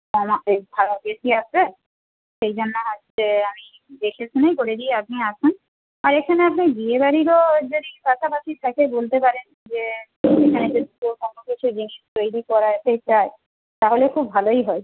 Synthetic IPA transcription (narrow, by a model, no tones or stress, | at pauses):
ɔmaebʱaobesiasɾa | ʃejd͡ʑonːaɦɔ | eami | d̪ekʰesʰinajkoɽed̪ieapniat͡ʃʰun | aɾekʰaneapniɡiebaɾiɾod͡ʑod̪ipaʃapaʃit̪ʰakebolt̪epaɾen | d͡ʑe | ekʰaned͡ʑod̪it̪ukonokit͡ɕʰud͡ʑiŋiʃt̪ojɾikɔɾaet̪et͡ɕae | t̪aɦolekʰubːʱalojɦɔe